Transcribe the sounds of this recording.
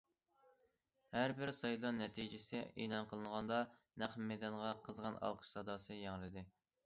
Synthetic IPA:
hæɾbɪɾsɑjlˠɑnɛt̪ʰid͡ʒɪsɪʔḛːlˠɑnqʰəlˠɨŋʁɑnd̪ɑnæχmɛd̪ɑnʁɑqʰəzʁɑnɑ̰lˠqʰə̥ʃsɑd̪ɑːsɨjɑŋɾɨd̪ɨ

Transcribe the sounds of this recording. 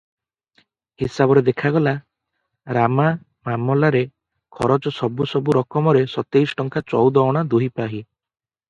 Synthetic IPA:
hisabɔɾed̪ekʰaɡɔla | ɾama | mamɔlaɾe | kʰɔɾɔt͡ʃɔsɔbusɔbuɾɔkɔmɔɾesɔt̪eisɔ̥ʈɔŋkʰat͡ʃɔwd̪ɔːɽ̃ad̪uɦipaɦi

